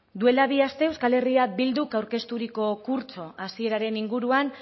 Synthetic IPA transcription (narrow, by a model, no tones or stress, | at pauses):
d̪ue̞laβ̞iast̪e̞ewskale̞riabild̪ukawɾke̞st̪uɾiko̞kuɾt͡so̞ʔasie̞ɾaɾe̞niŋɡuɾuan